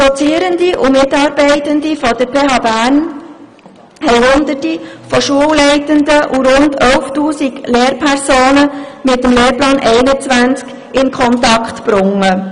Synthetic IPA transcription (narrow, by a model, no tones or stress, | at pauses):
d̥ɔt͡siəɾəndiʔʊmɪtɑːɾbɛɪtəndifɔd̥əɾpʰeːɦɑːbæːɾn | hɛɪhʊnd̪əɾtifɔʃuəwlɛɪtəndəʔuɾʊndœwftuːsiɡleːɾpʰɛɾsoːnəmɪtːəmleːɾplɑːnʔɛɪnət͡sʋænt͡sk | ɪnkʰχɔntɑkχtpɾʊŋːə